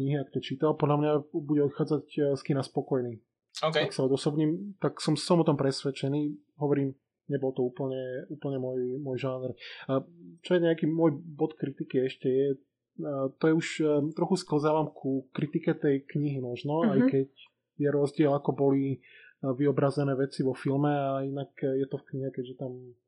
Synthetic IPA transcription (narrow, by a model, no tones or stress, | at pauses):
kɲiɦiakɔ̥t̪ɔt͡ʃiːt̪alpɔd̪lʎamɲabuɟɛɔt̪xaːd͡zacskinaspɔkɔjniː | ɔkɛaksaɔd̪ɔsɔbɲiːmt̪aksɔmssɔmɔt̪ɔmpɾɛsʋɛt͡ʃɛniː | ɦɔʋɔɾiːm | ɲɛbɔlt̪ɔuːpl̩ɲɛuːpl̩ɲɛmɔjmwɔjʒaːnɾ | t͡ʃɔjɛɲɛakiːmʊɔjbɔt̪kɾit̪ikiɛʃcɛjɛ | t̪ɔjɛuʃt̪ɾɔxuskl̩zaːʋamkʰukɾit̪ikɛt̪ɛjkɲiɦimɔʒnɔajkɛc | jɛɾɔzɟɪɛlakɔbɔli | ʋiɔbɾazɛnɛːʋɛt͡siʋɔfilmɛainakjɛt̪ɔfkɲiɦɛkɛɟʒɛt̪am